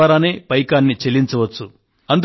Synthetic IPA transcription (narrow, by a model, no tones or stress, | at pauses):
aːɾaːneːpɐjkaːnːit͡ʃeliɲt͡ʃɐʋɐt͡ʃːu | ɐnd̪